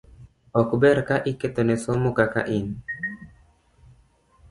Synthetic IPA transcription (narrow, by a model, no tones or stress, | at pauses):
ɔkbɛɾkaʔiket̪onɛsomukaka̰ʔin